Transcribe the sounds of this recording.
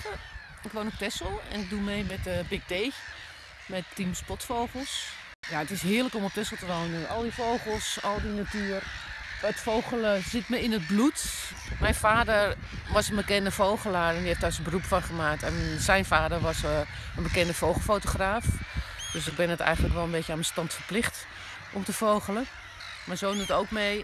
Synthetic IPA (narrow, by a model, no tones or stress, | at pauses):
ɪkʋoːnop̚tɛsəl̩ˠɛ̰nɪk̚dumeːmɛtəbɪk̚deː | mɛttimspɔtfowxəlˠs | jaətɪsɦɪələkomop̚tɛsəl̩ˠtəʋoːnəʔɔlˠdifowχəl̩ˠsɔlˠdinatyːər | ətfowxələsɪtməɪnət̚blut | mɛjnfaːdər | ʋɔsənbəkɛndəfowχəlaːɹɛndiheftasənbərupfɔnχəmaːk̚tɛnsɛjnfaːdəɹʋɔs | ənbəkɛndəfowxəl̩ˠfoːtoxraːfd̥øsɪɡ̚bɪnətɛ̰jɣən̩ləkʋɛlˠənbeːtjəaːnməstɑntfəɹplɪxt | ʔɔmtəfowxələ | maːɹzoːnətowkmej